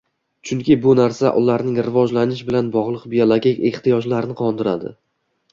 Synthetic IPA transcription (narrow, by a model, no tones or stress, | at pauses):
t͡ʃʰʊŋkʲʰɪbʊnaɾsa̰ʔʊlaɾnɪŋɾɪvɒd͡ʒlanɪʃ̬bɪlanbɒʁlˠɨqbijolˠoɡʲekʲe̞ht̪ijɒd͡ʒlaɾɪnɪqʰɒnd̪ɪɾa̰d̪ɪ̰